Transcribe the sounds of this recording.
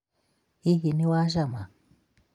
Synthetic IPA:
iɣiniwaʒama

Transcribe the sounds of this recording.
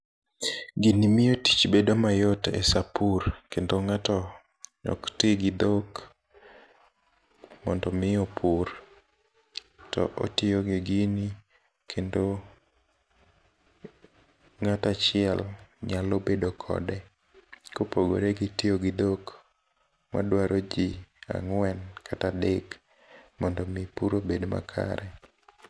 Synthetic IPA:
ɡinimɪoti̥t͡ʃbedomajɔtḛsapurkendoŋatɔ | ɲɔ̰ktɪɡɪd̪ok | mɔndɔmɪjɔpʰur | tɔ̰ʔo̰tɪoɡiɡini | kʰendo | ŋatat͡ʃɪɛlɲalobedokʰɔ̰dɛ | kopoɡo̰ɾeɡɪtɪoɡɪdok | ma̰dwaɾʔod͡ʒia̰ŋwɛnkʰatadek | mɔndɔmɪpuɾobedma̰kʰa̰ɾɛ

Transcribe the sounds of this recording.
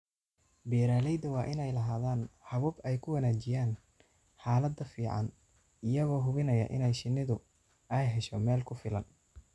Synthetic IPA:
bɛːɾaːlɛjd̪ɐwɑːʔɪnɛjlɐɦaːðaːnhɐβʊːbɛjkʰʊwɐnaːt͡ʃɪjaːn | ħaːlɐd̪ɐfiːʕɑ̰n | ɪjɐɣɔːɦʊβɪnɐjɐ̰ʔɪ̰nɛjʃɪnːɪðʊ | ɛjɦɛʃɔmɛːlkʰʊfɪlɐn

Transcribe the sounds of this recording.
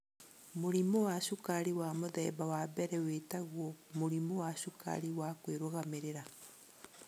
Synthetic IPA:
moɾimɔwaʃukaɾiwamoðɛ̰ːbawabɛɾɛwetaɣwɔmoɾimɔwaʃuka̰ɾiwakweɾoɣameɾeɾa

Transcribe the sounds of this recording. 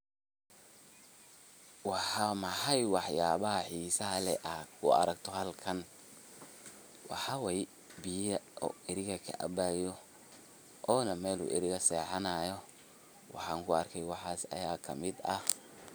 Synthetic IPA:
wɑħɑmɐħajwɑħjaːβɐɦɐħiːsɐɦɐlɛʔakʰʊɐ̰ɾɐɡt̪ʰɔhɐlkʰɐn | wɑ̰ħɑwɛj | bɪjɐɔ̰ɪɾɪɣɐkʰɐ̰ʔɐ̰bajɔ | ʔɔːnɐmɛːlṵːʔɪ̰ɾɪɣɐsɛːħɑnaːjɔ | wɑ̰ħɑːŋkʰʊɐrkʰɛjwɑħɑːsɐ̰jaːkʰɐmɪd̪ɐ

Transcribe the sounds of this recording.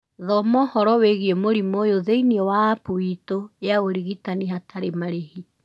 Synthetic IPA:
ðɔmɔhɔɾɔweɣiemoɾimojoðeiniɔwaːpoitoeaoɾiɣitaniɦatʰaɾemaɾehi

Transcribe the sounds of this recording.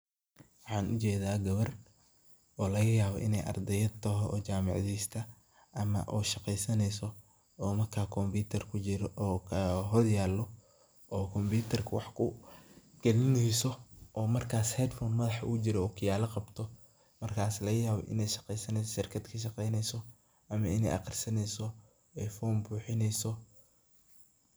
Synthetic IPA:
wɑħɑːnʔʊt͡ʃɛːðaːɡɐβɐr | ʔɔːlɐɣɐjaːβɔ̰ʔɪnɛjʔɐ̰rd̪ɛjɐt̪ʰɐɦɔɔ̰ːt͡ʃaːmɑ̰ʕðiːst̪ʰɐ | ʔɐmɐ̰ʔɔːʃɑqɛjsɐnɛjsɔ | ɔːmɐrkʰaːkʰɔmbiːt̪ʰɐrkʰʊt͡ʃɪɾɔʔɔːkʰɐɦɔdjaːlːɔ | ɔːkʰɔmbiːt̪ʰɐrkʰɐwɑħkʰʊ | ɡ̥ɛlɪnɛjsɔʔɔːmɐrkʰaːshɛd̪fɔːnmɐðɑħʊ̰ʊt͡ʃɪɾɔɔːkʰɐjaːlɐqɑbt̪ʰɔ | mɐrkʰaːslɐɣɐjaːβɔ̰ʔɪ̰nɛjʃɑ̥qɛjsɐnɛjs̬ɔʃɪrkʰɐd̪kʰɐʃɑqɛjnɛjsɔ | ɐmɐɪnɛ̰jʔɑ̰qɪrsɐnɛjsɔ | ɛjfɔːmbuːħɪnɛjsɔ

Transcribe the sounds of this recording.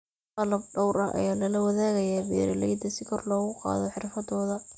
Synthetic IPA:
qɑlɐb̚ɖɔwɾɐʔɐ̰jaːlɐlɐwɐðaːɣɐjaːbɛ̰ːɾɐlɛ̰jd̪ɐsɪkʰɔrlɔːɣʊqɑ̰ːðɔħɪrfɐd̪ɔːðɐ

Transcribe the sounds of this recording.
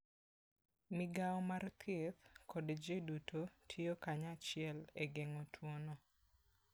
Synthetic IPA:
mɪɡaɔmart̪ʰet̪kʰɔdd͡ʒedutotʰjokaɲat͡ʃɪɛleɡɛŋɔtʰwonɔ

